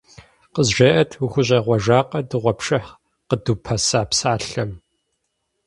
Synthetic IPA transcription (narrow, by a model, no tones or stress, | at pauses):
qəzʒɐʔɐtʰwuxʷʊɕʼɐʁʷɔʒaːqʼɐdɨʁʷɔpʂɨħ | qəduːpʰɐsaːpsaːɬɐm